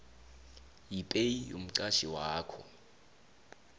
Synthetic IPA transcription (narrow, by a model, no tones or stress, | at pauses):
jipʼeijom̩ǀaʃiwaːkʰɔ̰